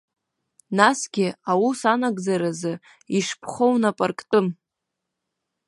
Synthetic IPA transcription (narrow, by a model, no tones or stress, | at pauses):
nasɡ̥ʲɪawusanaɡʼd͡zaɾazɨ | iʂpʰχo̞wnapʼarkʼtʼɨm